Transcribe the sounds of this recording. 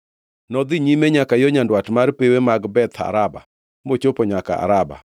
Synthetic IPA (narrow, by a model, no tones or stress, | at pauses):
nɔd̪iɲimeɲakajoɲandwatmarpewemaɡbɛt̪ʰa̰ɾaba̰ | mot͡ʃopoɲaka̰a̰ɾaba̰